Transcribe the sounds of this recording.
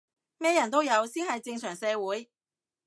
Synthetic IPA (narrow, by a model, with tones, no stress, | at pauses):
mɛː˥jɐ˨˩nt̪o˥wjɐ˨˧wsiː˥nhɐ˨jt͡sɪ˧ŋsœː˨˩ŋsɛː˨˧wuː˨˥j